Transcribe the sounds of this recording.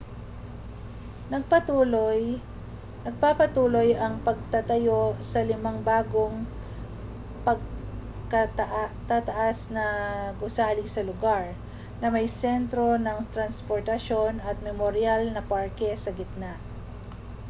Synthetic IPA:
nɐɡ̚pɐt̪uːloj | nɐɡ̚papɐt̪uːlo̞jɐŋpɐɡ̚t̪ɐt̪ɐjo̞sɐlɪmaŋbaːɡo̞ŋ | pɐɡ̚ | kɐt̪ʔt̪at̪ɐʔasnɐɡʊsaːlɪsɐlʊɡaɹ | nɐmɐjsɛnt̪ɾo̞nɐŋt̪ɾɐnspoɹt̪ɐʃo̞nɐt̪̚mɛmoɾɪalnɐpaɹkɛsɐɡɪt̪̚naʔ

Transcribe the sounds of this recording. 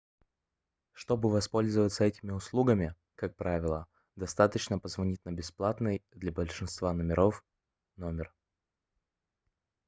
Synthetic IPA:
ʂt̪o̞bɨvɐspo̞lʲzəvət̪səɛtʲɪmʲɪʊslˠuɡəmʲɪ | kak̚pɾavʲɪlˠə | d̪ɐst̪at̪ət͡ɕnəpəzvɐnʲitʲnəbʲɪsplˠat̪nɨjd̪lʲɐbəlʲʂɨnst̪vanəmʲɪɾʔof | nomʲɪr

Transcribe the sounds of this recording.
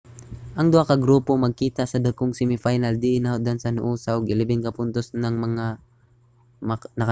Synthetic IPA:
ʔɐŋd̪ʊʔakɐɡɾuːpomɐɡ̚kiːt̪ɐsɐd̪ɐkoŋsɛmɪfajnɐld̪ɪʔɪnahod̪ɐnsɐnʊʔuːsɐʔoɡʔɪlɪbɪnkɐpʊnt̪osnɐŋmɐŋa | mnɐk

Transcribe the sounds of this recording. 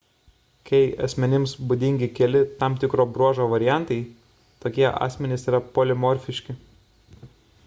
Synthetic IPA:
kɐɪɐ̰sʲmʲɛnʲɪmsbʊd̪ʲɪŋʲɡʲɪkʲɛlʲɪt̪ɑˑmt̪ʲɪkɾoːbɾuɔʒoːʋɐɾʲɪjæˑnt̪ɐɪ | t̪oːkʲiɛʔɑ̰ːsʲmʲɛnʲɪsiːɾɐpolʲɪmɔɾʲfʲɪʃʲkʲɪ

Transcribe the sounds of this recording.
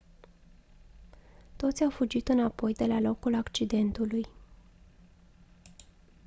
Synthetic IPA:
t̪o̞t̪sʲawfud͡ʒit̪ɨnapo̞jd̪e̞lalo̞kulakt͡ʃid̪e̞nt̪uluj

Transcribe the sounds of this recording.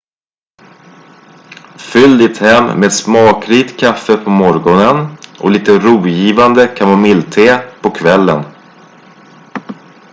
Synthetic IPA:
fʏld̪ɪt̪hɛmːmeːd̪smɑːkɾiːt̪kʰafːəpʰɔmɔɾɡɔnənʔɔ̰liːt̪əɾuːjiːvand̪əkʰamɔmɪlt̪ʰeːpʰɔkʰvɛlːə̰n

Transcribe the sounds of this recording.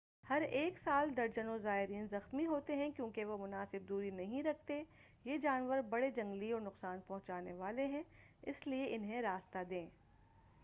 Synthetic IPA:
hɐɾeːksaːld̪ɐɾd͡ʒənõzaːɪɾiːnzɐxmiɦoːt̪eɦɛ̃kjõːkeʋomʊnaːsɪb̚d̪uːɾinɐɦĩɾɐk̚ʰt̪e | jeːd͡ʒaːnʋəɾbɐɽed͡ʒɐ̃ŋɡliɔːɾnʊqsaːnpɐ̃ɦʊ̃t͡ʃaːneʋaːleɦɛ̃ | ɪ̰slieʔɪnɦẽɾaːst̪ad̪ẽː

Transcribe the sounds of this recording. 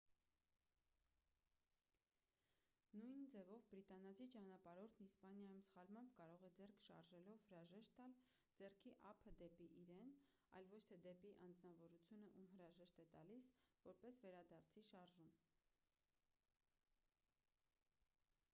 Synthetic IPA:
nujnd͡zɛvɔvbɾit̪ɑnɑt͡sʰit͡ʃɑnɑpɑɾɔɾt̪ʰnispɑnjɑjumsχɑlmɑmbkɑɾɔʁɛd͡zɛrkʰʃɑ̰ɾʒɛlɔvhəɾɑʒɛʃt̪ːɑl | d͡zɛrkʰiʔɑpʰəd̪ɛpiʔiɾɛn | ɑ̰jlvɔt͡ʃʰt̪ʰɛd̪ɛpiʔɑnd͡znɑvɔɾut͡sʰjunəʔumɦəɾɑʒɛʃt̪ɛt̪ɑlisvɔɾpɛsvɛɾɑd̪ɑɾt͡sʰiʃɑɾʒum

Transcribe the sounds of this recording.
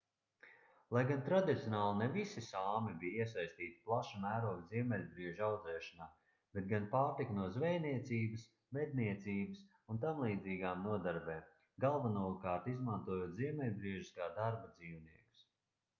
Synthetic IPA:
lˠajɡant̪ɾad̪it̪sʲjɔnaːlˠinɛvisisaːmibijiɛs̬ajst̪iːt̪i̥plˠaʃamæːɾuɔvziɛmɛlʲbɾiɛʒawd̪zɛːʃanaː | bet̪̚ɡanpaːɾt̪iknuɔzvɛjniɛt̪siːbɨs | vɛd̪̚niɛt̪siːbɨs | unt̪amlˠiːd̪ziːɡaːmnuɔd̪aɾbɛːm | ɡalˠvanuːkaːɾt̪izmant̪uɔjuːt̪ziɛmɛlʲbɾiɛʒiskaːd̪aɾbad̪ziːwniɛku̥s

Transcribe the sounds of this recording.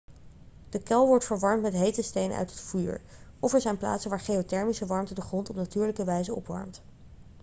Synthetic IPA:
d̥əkɛlˠʋɔɹtfəɹʋɑɹmtmɛtɦejtəstejnə̰ʔœ̰ɥtɦətfyːɹ | ɔfɛɹzɛjnpla̰ːtsənʋaːɹχejotɛɹmisəʋɑɹmtədəχrɔntɔpnatyːɹləkəʋɛjzəɔ̰pʋɑ̰ɹmt

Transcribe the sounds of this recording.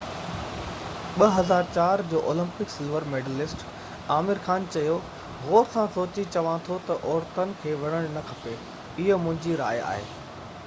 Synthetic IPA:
ɓɐɦɐzaːɾt͡ɕaːɾd͡ʑoːʔoːlɪ̃mpɪksɪlʋəɾmeːɖəlɪsʈ | aːmɪɾxaːnt͡ɕɐjo | ɦoːɾsãsoːt͡ɕit͡ɕɐʋãt̪ʰot̪ɐʔɔːɾt̪ənɪ̆kʰeːʋɐɽ̃əɽ̃nɐkʰɐpe | ɪɦə̆mʊ̃ɦɪ̃ɲd͡ʑiɾa̰ːja̰ːɦḛː

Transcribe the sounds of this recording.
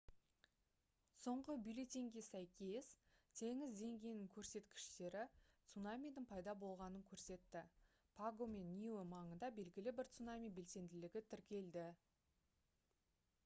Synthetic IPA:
so̞ɴʁəbijlet̪ʲiŋɡʲesæjkʲe̞st̪ʰe̞ŋɪzd̪e̞ŋɡʲejnɪŋkʲʰɵɾse̞t̪kʲɪ̥ʃt̪e̞ɾɪt̪sunamʲijd̪ɪŋpʰɑjd̪ɑbo̞lˠʁɑnəŋkʲʰɵɾse̞t̪ːɪ | pʰaɡo̞me̞nːʲiomɑɴənd̪ɑbe̞lɡʲɪlɪbɪɾt̪sunamʲijbe̞lse̞nd̪ɪlɪɡʲɪt̪ʰɪɾkʲe̞ld̪ɪ

